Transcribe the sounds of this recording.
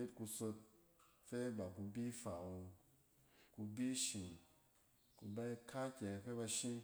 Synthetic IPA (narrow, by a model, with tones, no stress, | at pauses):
e˦tku˧so˧t̚fe˦ba˨ku˧bi˦fa˨wo˧ | ku˧bi˦ʃi˨ | ku˧ba˧i˧kʰa˦kʲɛ˨˧fe˦ba˧ʃĩ˦